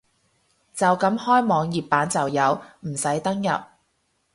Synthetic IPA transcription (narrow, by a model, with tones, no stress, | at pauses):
t͡sɐ˨wkɐ˨˥mhɔː˥jmɔː˨˧ŋjiː˨p̚pːaː˨˥nt͡sɐ˨wjɐ˨˧wm̩˨˩sɐ˨˥jt̪ɐ˥ŋjɐ̰˨p̚